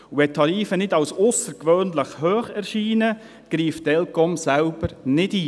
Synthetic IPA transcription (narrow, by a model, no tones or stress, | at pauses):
uɛtʰːɑɾiːfənɪdɑwsʊsəɾkʋøːnləχhøːχɛɾʃiːnə | ɡ̥ɾiːftɛlkɔmsælb̥əɾnɪdiː